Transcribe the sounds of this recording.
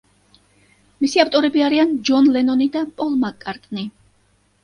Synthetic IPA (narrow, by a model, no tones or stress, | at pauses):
misiaft̪ʼɔɾɛbiaɾiand͡ʒɔnlɛnɔnid̪apʼɔlˠmakʼːaɾt̪ʼni